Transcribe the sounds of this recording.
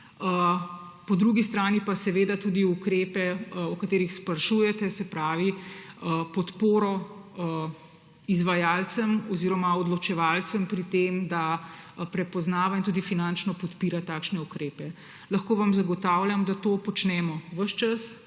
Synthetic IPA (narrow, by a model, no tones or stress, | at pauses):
əpɔd̪ɾuɡist̪ɾaːnipasɛʋeːd̪at̪uːd̪iukɾeːpɛɔkat̪eːɾixspaɾʃuːjɛt̪ɛsɛpɾaːʋiəpɔt̪poːɾɔ | izʋajaːlt̪səmɔziːɾɔmaɔd̪lɔt͡ʃɛʋaːlt̪səmpɾit̪emd̪apɾɛpɔznaːʋaint̪uːd̪ifinant͡ʃnɔpɔt̪piːɾat̪aːkʃnɛukɾeːpɛ | laxkoːʋamzaɡɔt̪aːwljamd̪at̪oːpɔt͡ʃnɛːmɔʋəʃt͡ʃas